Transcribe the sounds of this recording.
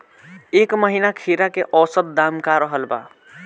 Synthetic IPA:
ekməɦinakʰiɾakeʔɔsət̪̚d̪amkaɾəɦəlba̰

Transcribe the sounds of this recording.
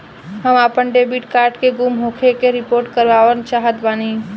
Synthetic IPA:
ɦəmaːpənɖeːbiʈkaːɾʈkeɡumɦoːkʰekeɾɪpoːɾʈkəɾʋaːʋənt͡ʃaːɦət̪baːniː

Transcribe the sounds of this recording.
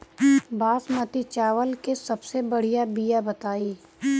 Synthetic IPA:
baːsmɐt̪it͡ʃaːʋəlkesɐbsebɐɽ̤ijabijabɐt̪aːiː

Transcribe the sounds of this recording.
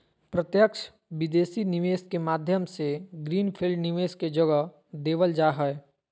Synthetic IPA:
pɾət̪jəkʃʰ | ʋɪd̪eːsinɪʋeːskemaːd̪ʱjəmseɡɾiːnpʰɪlɖnɪʋeːsked͡ʒɐɡə | d̪eːʋəld͡ʒaːɦɛɛ

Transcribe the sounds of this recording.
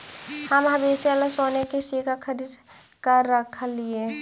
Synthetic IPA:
həmɦɐbeseələsoːnekisikʰakʰəɾid̪ | kəɾːəkʰəlie

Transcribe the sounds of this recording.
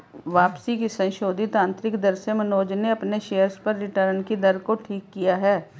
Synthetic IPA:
ʋaːpsikisɐ̃nʃoːd̪ʱɪt̪ãːnt̪ɾɪkd̪ɐɾsemɐnoːd͡ʒneɐpneʃejəɾspɐɾːɪʈəɾnkid̪ɐɾkoʈʰiːkːijaɦɛː

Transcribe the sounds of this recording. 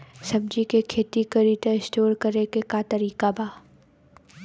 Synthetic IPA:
sɐmd͡ʒikekʰeːt̪ikəɾit̪eɪsʈoːɾkɐɾekekat̪ɐɾiːkabaː

